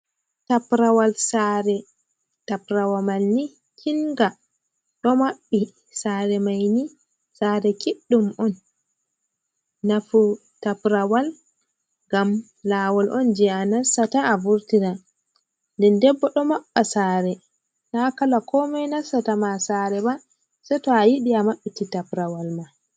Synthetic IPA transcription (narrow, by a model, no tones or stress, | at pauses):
tapɾawalsaɾɛ | tapɾawamalni | kʰiŋɡa | ɗɔmaɓːi | saːɾɛmajni | saɾɛkiɗːumɔn | afu | tapɾawal | ŋɡam | laːwɔlʔɔnd͡ʒianasːataːvuɾtina | ndɛndɛbːɔɗɔmaɓːasaːɾɛ | nakalakɔmɛnasatamasaɾɛba | sɛtɔajiɗiamaɓːititapɾawalma